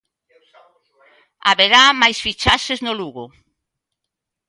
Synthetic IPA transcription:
a̰βeɾamajsfit͡ʃaseznoluɣʊ

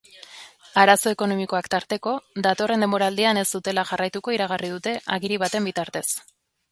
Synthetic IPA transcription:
aɾaso̞e̞ko̞no̞miko̞akt̪aɾt̪e̞ko̞ðat̪o̞re̞nd̪e̞mbo̞ɾald̪iane̞zd̪ut̪e̞laʝarajt̪uko̞iɾaɣ̞arið̞ut̪e̞ʔaɣiɾiβ̞at̪e̞mbit̪aɾt̪e̞s

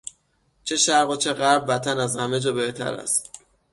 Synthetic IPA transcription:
t͡ʃʰeʃæɾɣot͡ʃʰe̞ɣæɾbːæt̪ʰænæzhæme̞d͡ʒɒːbe̞ht̪ʰæ̰ɾæ̰st̪

